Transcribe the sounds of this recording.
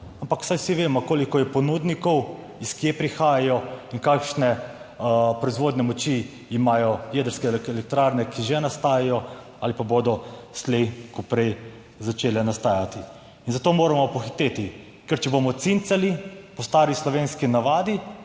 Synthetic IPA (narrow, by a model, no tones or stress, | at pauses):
ampaksajwsiʋeːmɔkoːlikɔjɛpɔnud̪nikɔw | iskiepɾixaːjajɔiŋkakʃnɛ | pɾɔizʋoːd̪nɛmɔt͡ʃi | imaːjɔjɛd̪əɾskɛlɛkt̪ɾaɾnɛkʰiʒɛnast̪aːjajɔ | alipabod̪ɔslejkupɾɛj | zat͡ʃeːlɛnast̪aːjat̪i | inzat̪oːmoːɾamɔpɔxi̥t̪eːt̪i | kɛɾt͡ʃɛbomɔt̪sint̪salipɔst̪aːɾislɔʋeːnskinaʋaːd̪i